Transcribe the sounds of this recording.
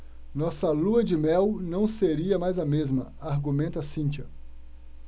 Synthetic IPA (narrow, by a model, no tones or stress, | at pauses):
nɔsɐluɐd͡ʒɪmɛwnɐ̃w̃seɾiɐmajzɐmezmɐ | aɾɡumẽnt̪ɐsĩnt͡ʃɐ